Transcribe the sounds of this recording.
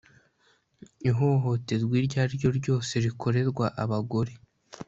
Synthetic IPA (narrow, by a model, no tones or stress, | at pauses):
iɦo̞ɦo̞te̞zɡwiːɾɟaːɾɟo̞ɾɟo̞ːse̞ɾikʰo̞ɾe̞ɾɡwaʔaβaɡo̞ɾe̞